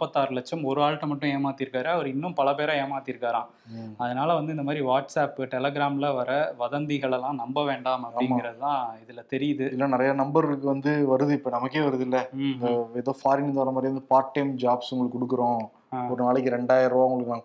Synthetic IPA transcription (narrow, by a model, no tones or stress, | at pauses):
pːɐt̪ːaːɾɯlɐt͡ʃːɐmɔɾɯaːɻʈːɐmɐʈːʊ̃eːmaːt̪ːiɪɾɯkːaːɾeɐʋɐɾɯɪnːɯmpɐlɐpeːɾɐ̃eːmaːt̪ːiɪɾɯkːaːɾãː | ɐðɐnaːlɐʋɐnd̪ɯɪnd̪ɐmaːd̪ɾiʋaːʈsaːpɯʈɛlɛɡɾaːmlɐʋɐɾɐʋɐðɐnd̪ɪɣɐɭɛlãːnɐmbɐʋeːɳɖaːmɐpːɽɪŋɡɪɾɐðɯt̪ãːɪðɪlt̪ɛɾɪjɐðɯɪlːɐnɪɾɐjanɐmbɐɾkːɯʋɐnd̪ɯʋɐɾɯðɯɪpːɐnɐmɐkːeːʋɐɾɯðɪlːɐ | ɛðoːfaːɾɪnɪnd̪ʋɐɾnɐmaːd̪ɾiʋɐnd̪ɯpaːʈːɐɪmd͡ʒaːbsʊŋɡɐɭɯkːɔɽɯkːɯɾõː | aɔɾɯnaːɭɛkːɯɾɛɳɖaːjɐɾʋaːʊŋɡɐɭɯkːɯnaː